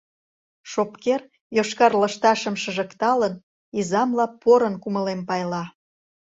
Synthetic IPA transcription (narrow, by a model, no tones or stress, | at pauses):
ʃopker | joʃkɑrlə̆ʃt̪ɑʃəmʃə̆ʒə̆kt̪ɑlən | izɑmlɑpoɾənkuməlempɑjlɑ